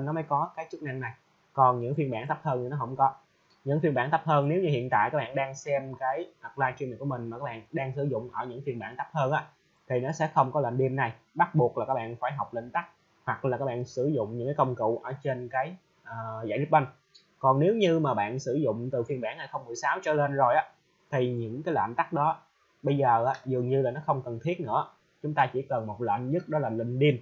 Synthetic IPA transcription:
nɔ˨˦məː˨˦jkɔ˨˦kaː˨˦jt͡ɕɨ˦˥k̚na˧ŋna˨˩j | kɔ˨˩nɲɨ̰˧˥ŋfi˧ənɓaː˧˩nt̪ʰə˦˥p̚həː˧ni˨˩nɔ˨˦ɦə̰˧˩wŋ͡mkɔ˨˦ | ɲɨ̰˧˥ŋfi˧ənɓaː˧˩nt̪ʰp̚həː˧nne˨˦wɲɨ˧hḭ˧˨ənt̪a̰ː˧˨jkaː˦˥ɓaː˧˨ɗaː˧ŋsɛ˧mkaː˨˦jha˨˩k̚laː˧jt͡ɕwi˧n̚˨˩ku˧˩əm˨˩ŋ̟ma˨˩kaː˦˥kɓaː˧˨nɗaː˧ŋsɨ˧˩zʊ̰˧˨ŋ͡mʔəː˧˩ɲɨ̰˧˥ŋfi˧ənɓaː˧˩nt̪a˦˥p̚həː˧nʔaː˨˧˦ | t̪ʰi˨˩nɔ˨˦sɛ̰˧˥xə˧wŋ͡mkɔ˨˦la˨˩mɗi˧əmna˨˩j | ɓa˦˥t̚ɓu˨˩ək̚laː˨˩kaː˦˥ɓ̰ːnfaː˧˩jɦa˨˩wk͡p̚lï˧˨ŋ̟t̪a˦˥k̚ | hwa˨˩k̚laː˨˩kaː˦˥k̚ɓa̰ː˧˨nsɨ˧˩zʊ̰˧˨ŋ͡mɲɨ̰˧˥ŋkaː˨˦kə˧wŋ͡mkṵ˧˨wʔəː˧˩t͡ɕe˧nkaː˨˦j | ʔəː˨˩za̰ː˧˨jt̪ʰi˦˥ɓa˧ŋ | kɔ˨˩nne˨˦wɲɨ˧maː˨˩ɓa̰ː˧˨nsɨ˧˩zʊ̰˧˨ŋ͡mt̪ɨ˨˩fi˧ənɓaː˧˩nha˨˩jxə˧wŋ͡mmɨ˨˧˩əjsaː˨˦wt͡ɕəː˧˦le˧nzo˨˩jʔaː˨˦ | t̪ʰi˨˩ɲɨ̰˧˥ŋkaː˨˦jlwə̰ː˧˨nt̪a˦˥k̚ɗɔ˨˦ | ɓə˧jzəː˨˩ʔaː˨˦zɨ˨˩əŋɲɨ˧laː˨˩nɔ˨˦xə˧wŋ͡mkə˨˩nt̪ʰi˦˥ət̚nɨ̰˧˥ə | t͡ɕʊ˨˦ŋ͡mt̪aː˧t͡ɕi˧˩kə˨˩nmo˨˩t̚lə̰ː˧˨nɲə˦˥t̚ɗɔ˨˦laː˨˩nlï˧˨ŋɗi˧əm

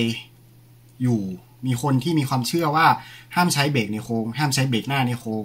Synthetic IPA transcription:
j | juː˨˩ | miː˧xʰo˧nt̪ʰiː˥˩miː˧kʰxwaː˧mt͡ɕʰɯ˥˩ɐwaː˥˩haː˥˩mt͡ɕʰa˦˥jbeː˨˩k̚na˧jxʰoː˧ŋhaː˥˩mt͡ɕʰa˦˥jbeː˨˩k̚naː˥˩na˧jxʰoː˧ŋ

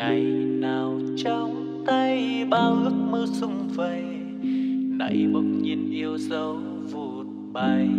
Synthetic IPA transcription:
ŋa˨˩jnaː˨˩w | t͡ɕɔ˧wŋ͡m | t̪a˧jɓaː˧wlɨ˨˩k̚məː˧sʊ˧wŋ͡mvə˨˩j | na̰˧˥jmɨ˧˩ŋ͡mɲi˨˩nʔi˧əwzə˧w | vo˨˩t̚ɓa˧˩j

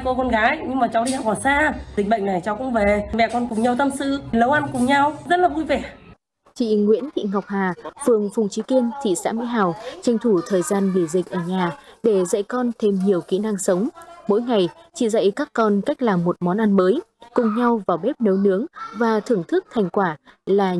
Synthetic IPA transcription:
ko˧kɔ˧nɣaː˨˦jɲɨ˧ŋmaː˨˩t͡ɕa˨˦wɗi˧ha˨˩wɔː˧˩saː˧zï̟˨˩ɓə̰˧˨ŋna˨˩jt͡ɕa˨˦wkʊ̰˧˥ŋ͡mve˨˩mɛ̰˧˨kɔ˧nkʊ˨˩ŋ͡mɲa˧˩wt̪ə˧msɨ̰˧˨lə˨˦wʔa˧nkʊ˨˩ŋ͡mɲa˧wzə˦˥t̚laː˨˩vu˧jve˨˩ | t͡ɕḭ˧˨ŋwḭ˧˥ənt̪ʰḭ˧˨ŋa˨˩wk͡p̚haː˨˩fɨ˨˩əŋfʊ˨˩ŋ͡mt͡ɕi˨˦ki˧ənt̪ʰḭ˧˨sa̰ː˧˥mḭ˧˥ɦaː˨˩wt͡ɕa˨˧˩jŋ̟t̪ʰu˧˩t̪ʰəː˨˩jzaː˧nɓi˧˩zï˨˩k̟̚ʔəː˧˩ɲaː˨˩ɗe˧˩zə̰˧˨jkɔ˧nt̪ʰe˧mɲi˨˩əwkḭ˧˥na˧ŋsə˨˦wŋ͡mmo̰˧˥jŋa˨˩jt͡ɕḭ˧˨zə̰˧˨jkaː˦˥kːɔ˧nka˦˥jk̟̚laː˨˩mːo˨˩t̚mɔ˨˦nʔa˧nməː˨˦jkʊ˨˩ŋ͡mɲa˧wvaː˨˩wɓe˦˥p̚nə˨˦wnɨ˨˦əŋvaː˨˩t̪ʰɨ˧˩əŋt̪ʰɨ˦˥k̚t̪ʰa˨˩jŋ̟kwaː˧˩laː˨˩

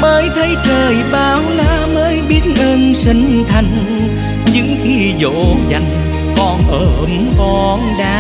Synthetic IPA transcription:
məː˨˦jt̪ʰə˨˦jt͡ɕəː˨˩jɓaː˨˧˦wlaː˧˥məː˨˦jɓi˦˥ət̚ʔəː˧nsi˨˦ŋ̟t̪ʰə˧˩jŋ̟ | ɲɨ̰˧˥ŋxi˧zo̰˧˥za˨˩jŋ̟ | kɔ˨˩nʔəː˧˩ʔmkɔ˧˩nɗa̰ː˧˦˥

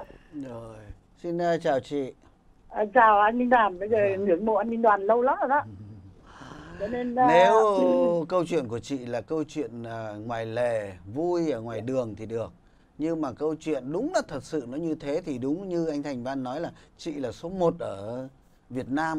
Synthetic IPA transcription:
zo˨˩j | si˧nəː˧t͡ɕaː˨˩wt͡ɕḭ˧˨ | ʔa˧˩t͡ɕaː˨˩wʔa˧jŋŋi˧nɗaː˨˩nɓə˨˧˦zəː˨˩ŋɨ˧˩əŋɓo̰˧˨ʔa˧jŋi˧nɗwaː˨˩nlə˧wla˨˦˨za˨˦ | t͡ɕɔ˧˦ne˧nne˨˦wkə˧wt͡ɕwḭ˧˨ənku˧˩ət͡ɕḭ˧˨laː˨˩kə˧wt͡ɕwḭ˧˨ənəː˨˩ŋwaː˨˩jle˧˨˩vu˧jʔəː˧˩ŋwaː˨˩jɗɨ˨˩əŋt̪ʰi˨˩ɗɨ˨˩ək̚ | ɲɨ˧maː˨˩kə˧wt͡ɕwḭ˧˨ənɗʊ˨˦ŋ͡mlaː˨˩t̪ʰə˨˩t̚sɨ̰˧˨nɔ˨˦ɲɨ˧t̪ʰe˨˦t̪ʰi˨˩ɗʊ˨˦ŋ͡mɲɨ˧ʔa˧ŋ̟t̪ʰa˨˩jŋ̟vaː˧nːɔ˨˦jlaː˨˩t͡ɕḭ˧˨laː˨˩so˨˦mo˨˩t̚ʔəː˧˩ | vi˨˩ət̚naː˧m

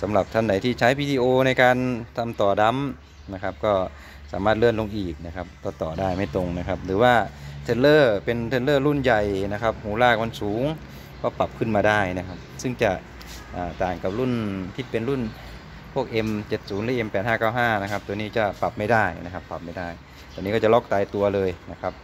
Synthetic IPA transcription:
sa˨˦mla˨˧˩p̚t̪ʰa˧˩nda˨˩jt̪ʰiː˧˩t͡ɕʰaː˦˥jpʰiː˧diː˧ʔoː˧na˧jkaː˧nt̪ʰa˧˥mt̪ɔː˨˩da˧˥m | na˧kʰa˦˧˥p̚kɔː˧˩ | saː˩˦maː˧˥˩t̪̚lɯ˥˩ənlo˧ŋʔiː˨˩k̚na˧˩kʰa˧p̚t̪ɔː˧˩t̪ɔː˨˩daː˧˥˩jma˥˩jt̪o˧ŋna˦˧kʰa˦˧p̚lɯː˨˦waː˧˩t̪ʰe˧nlɤː˧˥˩pe˧nt̪ʰe˧nlɤː˥˩˨lu˥˩˨nja˨˩jna˧˥kʰa˦˧˥p̚huː˨˩˦laː˥˩k̚ma˧˥˨nsuː˨˩˦ŋ | kʰɔː˧˥˩pa˨˩p̚kʰɯ˧˥˨nmaː˧daː˥˩jna˦˧kʰa˦˧p̚sɯ˥˩˨ŋt͡ɕa˧˩ | ʔaː˨˩t̪aː˨˩ŋka˨˩p̚lu˥˩˨nt̪ʰiː˧˩pe˨nlu˥˨n | pʰu˥˩ək̚ʔe˧mt͡ɕe˨˧˩t̪̚suː˩˦nlɯː˧˥˨ʔe˧mpɛː˨˩t̪̚haː˥˩kaː˧˥˩wɦaː˥˩na˦˧kʰa˦˥p̚t̪u˧niː˧˥˩t͡ɕa˧˩pa˨˩p̚ma˥˩jdaː˥˩jna̰˧˥kʰa˦˧˥pːa˨˩p̚ma˧˥˩jda˥˩j | t̪ɔ˧˩niː˦˥˩kɔː˧˥˩t͡ɕa˨lɔ˦˧˥k̚t̪aː˨˧˩jt̪u˧ɐlɤː˧jna˧kʰa˦˥p̚

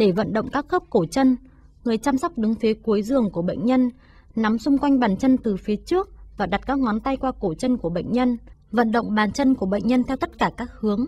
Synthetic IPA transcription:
ɗe˧˩və̰˧˨nɗə̰˧˨wŋ͡mkaː˦˥k̚xəː˦˥p̚ko˧˩t͡ɕə˧n | ŋɨ˨˩əjt͡ɕaː˧msɔ˦˥wk͡p̚ɗɨ˨˦ŋfi˨˦ku˨˦jzɨ˨˩əŋku˧˩əɓə̰˧˨jŋ̟ɲə˧n | na˨˦msʊ˧ŋ͡mkwa˧jŋ̟ɓaː˧˩nt͡ɕə˧nt̪ɨ˨˩fi˨˦ət͡ɕɨ˦˥ək̚vaː˨˩ɗa˨˩t̚kaː˦˥k̚ŋɔ˨˦nt̪a˧jkwaː˧ko˧˩t͡ɕə˧nku˧˩əɓə̰˧˨ŋ̟ɲə˧nvə̰˧˨nɗə̰˧˨wŋ͡mɓaː˨˩nt͡ɕə˧nku˧˩əɓə̰˧˨ŋ̟ɲə˧nt̪ʰɛ˧wt̪ə˦˥t̚kaː˧˩kaː˦˥k̚hɨ˨˦əŋ

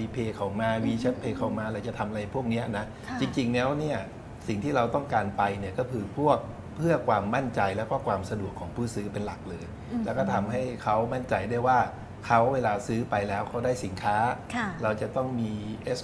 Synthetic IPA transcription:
iː˧pʰeː˧kʰaɔː˨˩maː˧wiː˧t͡ɕʰa˦˥t̪̚pʰeː˧kʰa˨˩wmaː˧lɛː˧˩wt͡ɕa˨˩t̪ʰa˧mʔa˧ɾa˧jpʰu˥˩ək̚ni˦˥ɐna˦˥ | t͡ɕi˧ŋt͡ɕi˧ŋlɛː˦˥wni˥˩ɐ | si˨˩ŋt̪ʰiː˥˩ɾa˧wt̪ɔ˥˩ŋkaː˧npa˧jni˥˩ɐkɔː˥˩kʰɯː˧pʰu˥˩ək̚ | pʰɯ˥˩ɐəkʰwaː˧mːa˥˩nt͡ɕa˧jlɛː˦˥wkɔː˥˩kʰwaː˧msa˧du˨˩əkʰːɔː˩˦ŋpʰuː˥˩sɯː˦˥pe˧nla˨˩k̚lɤː˧j | llɛː˦˥˩kɔː˥˩t̪ʰa˧mɦa˥˩jkʰa˦˥wma˥˩nt͡ɕa˧jdaː˥˩əjwaː˥˩ | kʰa˦˥wweː˧laː˧sɯː˦˥pa˧jlɛː˦˥wkʰa˦˥wdaː˥˩jsi˨˩˦nkʰaː˦˥˩ɾa˧wt͡ɕa˨˩t̪ɔ˥˩ŋmiː˧ʔeː˦˥s

